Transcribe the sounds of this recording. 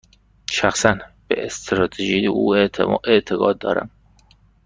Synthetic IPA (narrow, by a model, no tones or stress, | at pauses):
ʃæxsænb̥ḛʔest̪ʰɾɒːt̪ʰeʒijeuːeeʔt̪ʰeɡɒːd̪̚ːɒ̰ːɾæ̰m